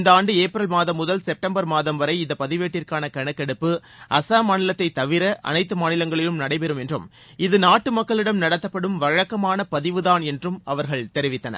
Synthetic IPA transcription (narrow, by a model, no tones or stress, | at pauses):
nd̪ɐaːɳɖɯeːpɾɐlmaːðɐmːʊðɐlsɛp̚ʈɐmbɐɾmaːðɐmʋɐɾɐɪɪnd̪ɐpɐðɪʋeːʈːɪrkaːnɐkɐɳɐkːɛɽɯpːɯʔɐsaːmaːnɪlɐt̪ːɐɪt̪ːɐʋɪɾɐʔɐ̰nɐɪt̪ːɯmaːnɪlɐŋɡɐɭɪjɯmnɐɽɐɪpɛɾɯmɛndrɯm | ɪðɯnaːʈːɯmɐkːɐɭɪɽɐmnɐɽɐt̪ːɐpːɐɽɯmʋɐɻɐkːɐmaːnɐpɐðɪʋɯðaːnɛndrɯmɐʋɐɾɣɐɭt̪ɛɾɪʋɪt̪ːɐnɐ̰